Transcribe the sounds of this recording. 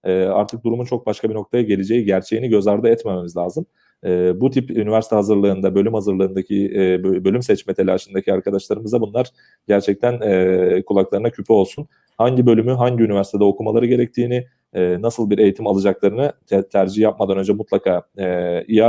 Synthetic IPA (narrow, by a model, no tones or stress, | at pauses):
ɛːa̰ɾt̪ʰɯk̚d̪uɾumunt͡ʃʰo̞k̚baʃkʰabino̞k̚t̪ʰajaɟe̞lʲed͡ʒe̞jiɟæɾt͡ʃʰe̞jiniɟø̞zaɾd̪ɯɛt̪mememizlʲaːzɯmː | but̪ʰipynivæɾsi̥t̪ʰɛhazɯɾlˠɯːnd̪abø̞lʲymhazɯɾlˠɯːnd̪acʰibølʲymsɛt͡ʃmɛt̪ʰe̞lʲaːʃɯnd̪acʰiaɾkʰad̪aʃlˠaɾɯmɯzd̪abunlˠaɾ̥ | ɟ̥æɾt͡ʃʰɛc̚t̪ʰænɛkʰulˠaklˠaɾɯnacʰypʰyo̞lˠsun | haɲɟibø̞lʲymyɦaɲɟiynivæɾsi̥t̪ʰd̪ɛokʰumalˠaɾɯɡɟe̞ɾɛc̚t̪ʰiːnɪ | ɛːnasɯlˠbiɾe̞jit̪ʰimalˠɯd͡ʒaklˠaɾɯnɯ | t̪ʰæɾd͡ʒijap̚mad̪anø̞nd͡ʒɛmut̪lˠakʰaː | ija